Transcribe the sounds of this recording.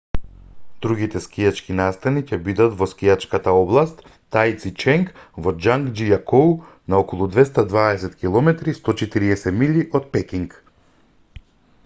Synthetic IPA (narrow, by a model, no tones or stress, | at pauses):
d̪ɾuɡit̪ɛskijat͡ʃkinast̪anicɛbid̪at̪vɔskijat͡ʃkat̪aɔblˠast̪ː | ajt̪sit͡ʃɛŋkvɔd͡ʒaŋɡd͡ʒijakow | naɔkɔlˠud̪vɛst̪ad̪vaɛsɛt̪kʲilˠɔmɛt̪ɾist̪ɔt͡ʃɛt̪iɾiɛsɛmilʲiʔɔt̪̚pɛkiŋk